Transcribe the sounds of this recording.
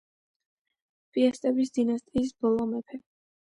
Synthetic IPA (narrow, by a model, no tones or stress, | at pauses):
pʼiɛst̪ʼɛbis̬d̪inast̪ʼiːs̬b̥ɔlˠɔmɛpʰɛ